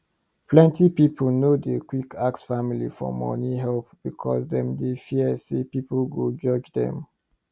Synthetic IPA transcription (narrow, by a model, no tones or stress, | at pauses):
pʰlɛ̃ntipipʰolnodəkwikʰaksfamilḭfɔ̰mɔ̰niɦɛlpb̥ikʰɔ̰sdɛ̃mdefiəsepipolɡod͡ʒɔd͡ʒdɛ̰̃m